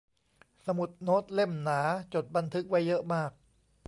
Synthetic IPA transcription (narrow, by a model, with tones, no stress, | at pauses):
sa˧mu˨˩t̪̚no˦˥t̪̚le˥˩mnaː˩˦t͡ɕo˨˩t̪̚ba˧nt̪ʰɯ˦˥k̚wa˦˥jːɤ˦˥ʔmaː˥˩k̚